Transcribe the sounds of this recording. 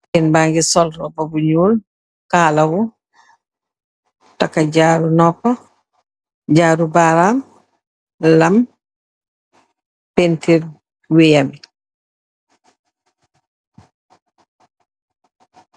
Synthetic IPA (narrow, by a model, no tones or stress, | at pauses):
inbaŋɡisɔlɾɔbobuɲuːl | kaːlɐwu | takaɟaːɾunɔpa | ɟaːɾubaɾam | lɐm | pentil | wejami